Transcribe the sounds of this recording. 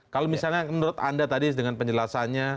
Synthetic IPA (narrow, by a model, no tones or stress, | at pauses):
kalomisalɲamənuɾʊt̪̚a̰ndat̪adidəŋanpəɲd͡ʒəlasanɲa